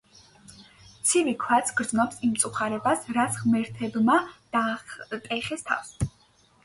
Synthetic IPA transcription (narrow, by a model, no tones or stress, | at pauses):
t̪sʰivikʰwat̪sʰɡɾd̪znɔpsimt̪sʼuχaɾɛbasɾat̪sʰʁmɛɾt̪ʰɛbmad̪̥at̪ʼɛχɛst̪ʰa̰fs